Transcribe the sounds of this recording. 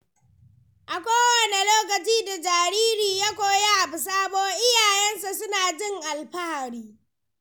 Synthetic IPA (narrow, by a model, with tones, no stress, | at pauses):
ʔa˨kʷoː˦wɐ˨ne˨loː˦k̬ɐ˨t͡ʃiː˦da˨d͡ʒaː˨ɾiː˦ɾiː˨jaː˦kʷoː˦ja˦ʔa˨bʊ˨s̬aː˦boː˦ʔɪ˦jaː˨jɛ˦nsa˨sʊ˦naː˨d͡ʒɪ˦ŋʔa˨lɸa˦ha˨ɾiː˦